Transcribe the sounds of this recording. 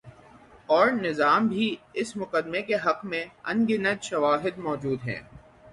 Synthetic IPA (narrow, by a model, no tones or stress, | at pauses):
ɔːɾnɪzaːmbʱiɪsmʊkəd̪mekeɦɐqmẽɐ̰̃nɡɪnət̪ʃɐʋaːɦɪd̪mɔːd͡ʒuːd̪ɦɛ̰̃ː